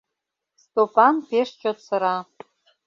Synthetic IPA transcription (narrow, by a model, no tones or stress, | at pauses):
stʼopʰʼanpʰeʂt͡ʃʼot͡sʰaɾa